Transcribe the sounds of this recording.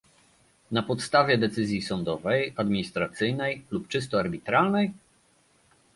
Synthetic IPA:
napɔt̪st̪avʲjɛd̪ɛt̪sɘzʲjisɔnd̪ɔvɛjad̪mʲiɲist̪ɾat̪sɘjnɛjlupt͡ʂɘst̪ɔaɾbʲit̪ɾalnɛj

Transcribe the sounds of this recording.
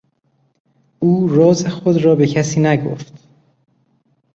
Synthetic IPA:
ʔuːɾɒːzexod̪ɾɒːbe̞cʰæsiːnæɡo̰ft̪

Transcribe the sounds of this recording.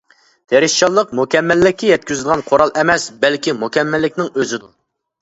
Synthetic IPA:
t̪ʰeɾɪʃt͡ʃɑlˠːəqmukʲɛmːɛlːɪkʲːɛjɛt̪̚kʲyzɪd̪ʁɑnqʰoɾɑlˠʔɛmɛsbɛlkʲimukʲɛmːælːɪkʲnɪŋøzɪd̪u

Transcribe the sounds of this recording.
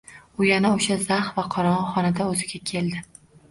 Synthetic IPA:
ʊjanaoʃazaχvaqʰɒɾɒɒχɒnad̪aɵzɪɡʲakʲʰe̞lˠd̪ɪ

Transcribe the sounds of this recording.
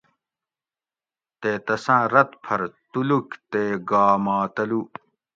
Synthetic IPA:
t̪eːt̪ɐsãːɾɐt̪pʰɐɾt̪ulukt̪eːɡaːmaːt̪ɐlu

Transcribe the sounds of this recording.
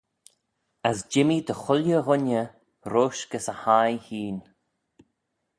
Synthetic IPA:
əsd͡ʒɪmid̪əxʊljəɣʊnə | ɾoːʃɡ̥əsəhajhiːn

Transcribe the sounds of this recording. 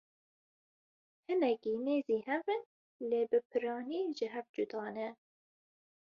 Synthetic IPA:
hɨnɛkiːneːziːhɛvɨn | leːbɨpʰɨɾɑːniːʒɪɦɛvd͡ʒud̪ɑːnɛ

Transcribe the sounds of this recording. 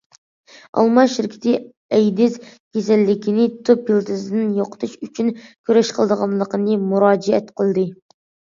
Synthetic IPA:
ʔɑ̰lˠmɑʃɪɾkʲʰi̥t̪ʰɪ | ɛjd̪ɪzkʲʰes̬ɛlːɪkʲʰinɪt̪ʰøpːilˠt̪ʰɨsɪd̪ɪnjoqʰə̥t̪ʰɨʃyt͡ʃʰynkʲʰyɾɛʃqʰəlˠd̪əʁɑnlˠəqənɨmuɾɑːd͡ʒɛɛt̪qʰəlˠd̪ɨ

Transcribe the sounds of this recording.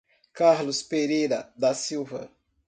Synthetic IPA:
kaɾlʊspeɾejɾɐd̪ɐsiwvɐ̰

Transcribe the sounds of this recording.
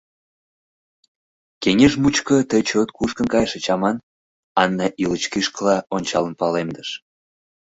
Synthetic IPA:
keŋeʒmut͡ɕkət̪əjt͡ɕot̪kuʃkə̆nkɑjʃet͡ɕɑmɑn | ɑnːɑʔilət͡ɕkiʃkəlɑonʲt͡ɕɑlənpɑlemd̪əʃ

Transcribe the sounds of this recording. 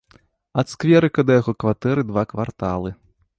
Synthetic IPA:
ɐt̪skvʲɛɾɨkɐd̪ɐjaɣɔkvat̪ɛɾɨd̪vakvart̪alˠɨ

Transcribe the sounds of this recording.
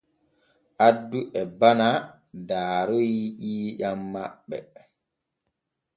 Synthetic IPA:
ʔadːuʔɛbana | daːɾoiʔiːjamːa̰ɓːɛ̰

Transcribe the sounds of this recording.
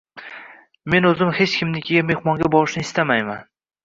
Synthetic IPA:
me̞nɵzɪmhe̞t͡ʃkʲʰɪmnɪkʲʰɪɡʲame̞hmɒŋɡʲabɒɾɪʃnɪɪst̪amajman

